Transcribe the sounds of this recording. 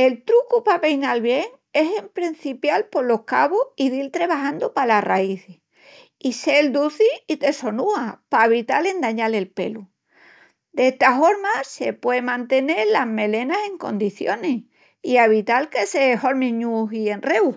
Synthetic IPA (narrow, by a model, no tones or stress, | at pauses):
e̞lt̪ɾukupape̞jnalβje̞ŋ | e̞se̞mpɾin̟θipjalpo̞lo̞hkaβoiðilt̪ɾeβaɦand̪opalara̰iθe | ise̞ld̪uθiit̪e̞so̞nuapaβit̪ale̞nd̪aɲale̞lpe̞̰lu | d̪eht̪afo̞ɾmase̞pwe̞emãnt̪e̞ne̞ɾlaɦme̞le̞nase̞ŋko̞̰nd̪iθjoneh | iaβ̞it̪alkeseho̞ɾmĩɲuɦie̞nre̞w